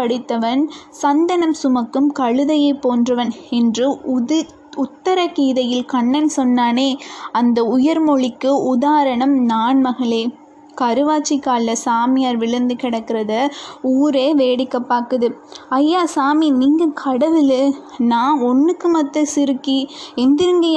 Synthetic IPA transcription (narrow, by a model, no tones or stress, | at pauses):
pɐɽɪt̪ːɐʋɐn | sɐnd̪ɐnɐmsʊmɐkːɯmkɐɻɯðɐjɐɪpːoːndrɐʋɐnɛndrɯ | ʊt̪ːɐɾɐkiːðɐjɪlkɐɳːɐnsɔnːaːneːɐnd̪ɐʊjɐɾmɔɭɪkːɯʔʊðaːɾɐɳɐmnaːɳmɐɣɐɭeː | kɐɾɯʋaːt͡ʃːɪkːaːlːɐsaːmɪjaːɾʋɪɭɐnd̪ɯkɪɽɐkːɪɾɐðɐuːɾeːʋeːɽɪkːɐpːaːkɯðɯɐjːaːsaːminiːŋɡɐkʰɐɽɐʋɪlɯnaːɔnːɯkːɯmɐt̪ːɐsɪɾɯkːiɛnd̪ɪɾɯŋɡɐj